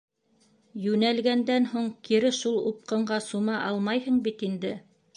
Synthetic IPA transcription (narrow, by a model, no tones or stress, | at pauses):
jʉnælɡænd̪ænhuɴkiɾɘʃulˠup̚qɤ̆ɴɢɑsumɑʔɑlˠmɑjhɤɴbit̪ind̪ɘ